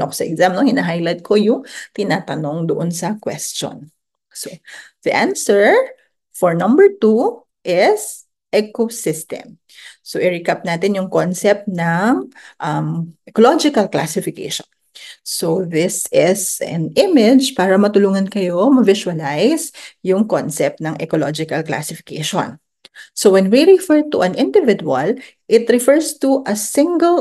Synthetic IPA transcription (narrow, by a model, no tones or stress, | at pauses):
nokosɐʔɛɡzamnohɪnaɦajlajt̪̚kʰojʊŋt̪ɪnaːt̪ɐnoŋd̪ʊʔonsɐkwɛ̰st͡ʃo̰n | soð̥ɐʔansɛɹ | fɔɹnɐ̃mbɛɹt̪u | ʔɪs | ʔɛkosɪst̪ɛ̰m | soʔɪɹikɐp̚naːt̪ɪnjʊŋkonsɛp̚t̪nɐŋʔɐmʔɛkolod͡ʒɪkɐlkla̰sɪfɪkḛʃɔ̥̰n | soðɪsɪsɐ̰nɪmɪd͡ʒpaːɾɐmɐt̪ʊluːŋɐnkɐjo̞mɐvɪsʊwɐlajsjʊŋkonsɛp̚t̪̚nɐŋʔɛkolod͡ʒɪkɐlkla̰sɪfɪ̥kɛʃõ̰n | sowɛnwiɹɪfɛɹt̪uʔɐ̃nʔɪ̃nd̪ɪvɪd̪uɐ̰l | ʔɪt̪ɹɪfɛɹst̪uʔɐsɪ̃ŋɡɛl